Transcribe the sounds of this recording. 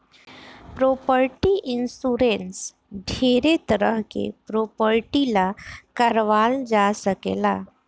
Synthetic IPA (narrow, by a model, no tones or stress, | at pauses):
pɾopəɾʈiʔinsuɾens | ɖʱeɾet̪əɾəɦkḛpɾopəɾʈilakəɾʋald͡ʒasəkḛla